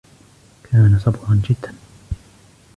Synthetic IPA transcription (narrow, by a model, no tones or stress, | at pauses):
kʰaːnasˤɑbɾɑnd͡ʒɪd̪ːan